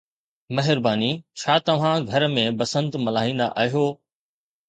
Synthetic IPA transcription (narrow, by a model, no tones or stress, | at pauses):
mɐɦɪɾbaːnit͡ɕʰaːt̪ɐʋ̤ãɡʱɐɾmẽbɐsə̃nt̪mɐlaːĩːn̆d̪a̰ʔaːɦijoː